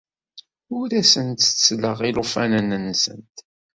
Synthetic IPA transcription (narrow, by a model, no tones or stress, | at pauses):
ʊɾæsənt̪t͡sːləʁilofænənənːsə̰nt̪